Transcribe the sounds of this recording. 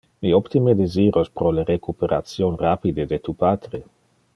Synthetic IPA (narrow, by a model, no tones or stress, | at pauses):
miopt̪imed̪eziːɾospɾoleɾekupeɾa̰t͡sjonrapid̪ed̪et̪upaːt̪ɾe